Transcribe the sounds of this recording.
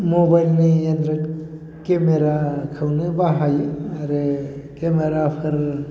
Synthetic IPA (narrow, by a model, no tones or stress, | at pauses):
mobajlniendɾɯ | kemeɾakʰɯwnɯbaɦajaɾekemeɾapʰɯɾ